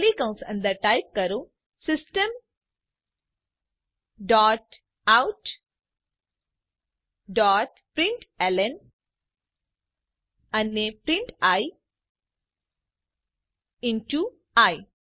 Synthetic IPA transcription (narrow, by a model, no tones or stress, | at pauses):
likɐ̃w̃sɐ̰̃nd̪ɐʈajp̚kɐɾu | sisʈəm | ɖɔːʈ | awʈ | ɖɔːʈ | pɾiɳʈelən | ɐnːepɾĩɳʈaj | inʈu | aj